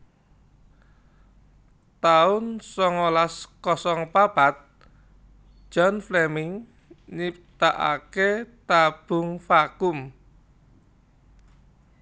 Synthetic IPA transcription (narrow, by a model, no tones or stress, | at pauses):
t̪aʊnsɔŋolaskɔsɔŋpab̥at̪̚ | ʒ̥ɔ̤nflɛmɪŋ | nip̚t̪aʔa̰ket̪ab̥ʊ̤ŋfakʊm